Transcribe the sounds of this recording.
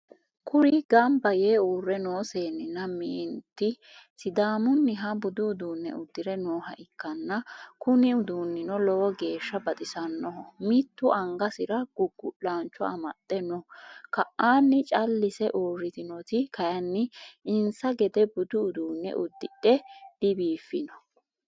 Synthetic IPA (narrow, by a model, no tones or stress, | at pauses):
kʰʊɾɪɡɐmbɐjeːuːrːɛnoːseːnːɪnːɐmiːnt̪ːɪ | sɪd̪aːmʊnːɪɦɐbʊd̪ʊːd̪uːnːɛ̰ʊd̪ːɪɾɛnoːɦɐʔɪkːɐnːɐkʊnɪʊd̪uːnːɪnɔlɔwɔɡe̞ːʃːɐbɐt̪ʼɪsɐnːɔɦɔmɪt̪ːʊʔɐŋɡɐsɪɾɐɡ̥ʊɡːʊʔaːnt͡ʃːɔɐ̰mɐ̰t̪ʼːɛnɔkɐʔːaːnːɪt͡ʃʼɐlːɪsɛʔuːrːɪt̪ɪnɔt̪ɪkɐjɐnːɪɪnsɐɡɛd̪ɛbʊd̪ʊːd̪uːnːɛ̰ʔʊd̪ːɪᶑɛd̪̥ɪbiːfːɪnɔ